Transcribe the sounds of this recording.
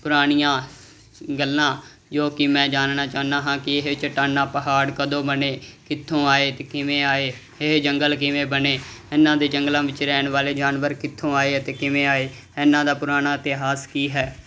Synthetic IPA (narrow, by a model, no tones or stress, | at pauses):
pʊɾaːɳijãː | ɡəlːãː | d͡ʒoːkɪmɛ̃ːd͡ʒaːnnaːt͡ʃaːnãːɦãːkɪɪɦɪt͡ʃəʈaːnaːpəɦaːɽkəd̪õːbəneːkɪt̪ʰːõːaːeːt̪eːkɪmẽːaːeː | ɪɦd͡ʒəŋɡəlk̬ɪʋẽːbəneːɪnːãːd̪eːd͡ʒəŋɡlãːʋɪt͡ʃɾɛːɳʋaːleːd͡ʒaːnʋəɾkɪt̪ʰːõːaːeːət̪eːkɪmẽːaːeː | ɪnːãːd̪aːpʊɾaːnaːɪt̪eɦaːskiːɦɛː